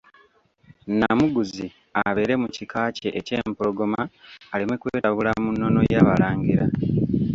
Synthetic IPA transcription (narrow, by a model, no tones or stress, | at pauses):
namuɡuzi | aβe̞ːɾe̞mucikaːce̞ʔːce̞ːmpolo̞ɡo̞maːlimwekweːɾaβulamunːo̞no̞̰jaːβalaːŋɡiɾa